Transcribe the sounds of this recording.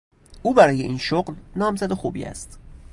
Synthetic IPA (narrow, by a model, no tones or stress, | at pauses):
uːbæɾɒːje̞ʔiːnʃoɢlnɒːmzæd̪oxuːbḭæ̰st̪